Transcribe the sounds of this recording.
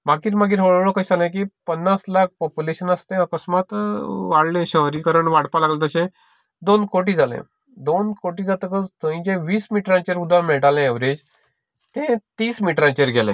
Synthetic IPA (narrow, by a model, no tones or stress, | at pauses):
maɡiːɾmaɡiːɾɦoɭɭokait͡salẽk̬iːpənːaslak̚pɔpjuleɕənəst̪ẽəkəsmat̪ʋaɽlẽɕəɦɾikəɾəɳʋaɽpalaɡlet̪əɕẽ | d̪onkoʈ̬iːd͡zalḛ̃ | d̪onkoʈiːd͡zat̪əkət͡st̪ə̃ĩt͡ɕẽʋiːsmiʈɾãt͡ɕeɾud̪ʱãmeɭʈalẽeʋɾed͡ʑ | t̪ẽt̪iːsmiʈɾãt͡ɕeɾɡʱɛlɛ̰̃